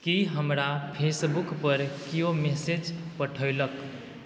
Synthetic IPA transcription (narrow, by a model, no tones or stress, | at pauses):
kiɦəmɾapʰesbukpəɾkiomesed͡ʒpəʈʰəjlək